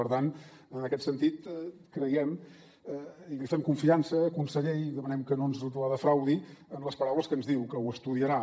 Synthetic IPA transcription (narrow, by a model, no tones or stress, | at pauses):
əɾt̪an | ənəkɛt̪sənt̪it̪kɾəjɛm | ilifɛmkuɱfiansəːkunsəʎɛðəmənɛmkənonzut̪uɾaðəfɾawðiənləspəɾawləskənzðiwkəuəst̪uðiəɾa